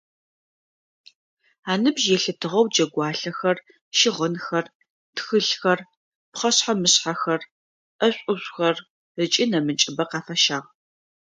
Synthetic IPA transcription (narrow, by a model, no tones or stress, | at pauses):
aːnɨbʒjɛɬɨtʰɨʁɐwd͡ʒɐɡʷɑːɬɐxɐr | ʃɪʁənxɐr | txɨɬxɐr | pχɐɕħamɨɕħaxɐr | ʔɐɕʷʼʊɕʷʼxɐr | ət͡ʃʼinɐmɨt͡ʃʼɪbɐqɑːfɐʃaːʁ